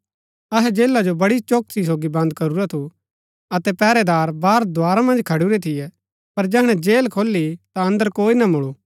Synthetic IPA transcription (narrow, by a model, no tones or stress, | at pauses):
ɐɦɛd͡ʒeːlːad͡ʒobɐɽit͡ʃoːk̚sis̬oːɡibɐ̃nd̪kɐɾuɾat̪ʰu | ɐt̪ɛpɛːɾɛd̪aːɾbaːɾd̪ʱʊaːɾamɐ̃nd͡ʒkʰɐɽuɾɛt̪ʰɪjɛ | pɐɾd͡ʒɛɦɽ̃ɛ̃d͡ʒeːlkʰoːlːit̪aɐ̃nd̪əɾkoːinɐmʊɭuː